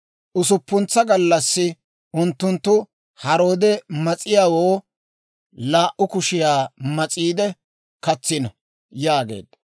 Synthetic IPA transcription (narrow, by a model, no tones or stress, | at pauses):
ʔʊsʊpːʊnt͡sːɐɡɐlːɐsːɪ | ʔʊnt̪ːʊnt̪ːʊ | hɐɾo̞ːd̪ɛmɐt͡sʼɪjaːwoː | laːʔʊkʊʃɪjaːmɐt͡sʼiːd̪ɛ | kɐt͡sːɪnɐ | jaːɡe̞̰ːd̪̥